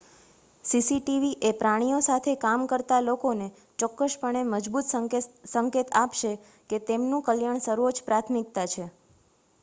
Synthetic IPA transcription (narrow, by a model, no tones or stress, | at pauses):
sisiʈiʋiʔepɾaɽ̃ijosat̪ʰekamkəɾt̪alokone | t͡ʃɔkːəʃpəɳ̃eməd͡ʒbut̪səŋket̪apʃe | ket̪emnũkəljaɳ̃səɾʋod͡ʒpɾat̪ʰmik̚t̪at͡ʃʰe